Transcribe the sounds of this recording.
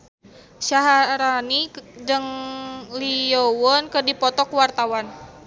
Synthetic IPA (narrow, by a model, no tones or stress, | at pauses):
ʃaɦaɾanidəŋliowɔnkədipɔt̪ɔkwart̪awan